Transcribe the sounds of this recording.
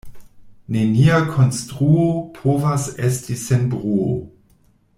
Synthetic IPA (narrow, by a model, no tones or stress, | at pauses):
neniakʰonstʁuopʰovasestisenbʁuo̰